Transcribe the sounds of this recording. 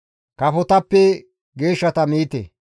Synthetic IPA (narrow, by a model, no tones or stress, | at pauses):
kɐfɔt̪ɐpːɛ | ɡe̞ːʃːɐt̪ɐmiːt̪ḛ